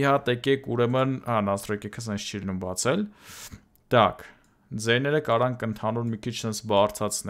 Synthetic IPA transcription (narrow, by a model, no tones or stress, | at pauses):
iɦɑt̪ɛkɛkʰuɾɛmənhɑnɑst̪ɾɔɛkɛkʰəs̬ɛnsʰt͡ʃʰilinumbɑt͡sʰɛl | d̪̥ɑkʰ | d͡zɛɾnɛɾəkɑɾɑŋkənt̪ʰɑnuɾmikʰit͡ʃʰənsbɑrt͡sʰɑt͡sʰn